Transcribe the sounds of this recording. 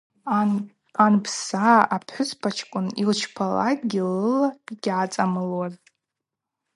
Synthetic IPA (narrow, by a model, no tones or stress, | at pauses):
anpʰsaapʰħʷʊspʰat͡ʃʰkʷʼʊnilt͡ʃʰpʰala̰kɡʲɪlɨlaiɡʲʕat͡sʼamɨlwar